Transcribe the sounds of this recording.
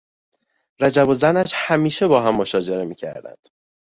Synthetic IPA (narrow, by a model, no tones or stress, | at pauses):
ɾæd͡ʒæbo̞zænæʃhæmiːʃe̞bɒːɦæmːoʃɒːd͡ʒe̞ɾe̞miːcʰæ̰ɾd̪æ̰nd̪̥